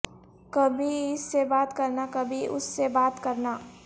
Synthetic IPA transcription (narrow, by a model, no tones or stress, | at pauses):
kɐbʱiɪsːebaːt̪kɐɾnakɐbʱiʔʊ̰sːebaːt̪kɐɾnaː